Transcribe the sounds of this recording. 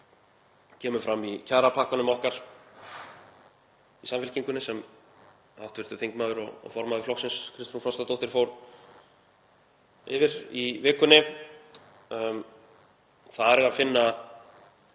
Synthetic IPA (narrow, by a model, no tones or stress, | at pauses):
cʰɛːmʏfɾamːicʰaːɾapʰaːhkanʏmɔhkaɾ̥ | isamfɛl̥ciŋkʏnːɪsɛm | a̰wht̪vɪɾt̪ʏθiŋkmaːðʏɾɔ̰fɔɾmaðɪflɔksɪnskʰɾɪst̪ɾunfɾɔst̪at̪owht̪ɪɾ̥foːwɾ | ɪvɪɾivɪːkʏnɪ | θaðɛɾɛɾafɪnːa